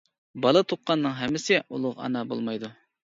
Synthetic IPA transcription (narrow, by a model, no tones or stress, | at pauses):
bɑlˠɑt̪ʰoqʰːɑnːɨŋɦɛmːɪsɪṵlˠʊʁɑ̰nɑbo̰lˠmɑjd̪u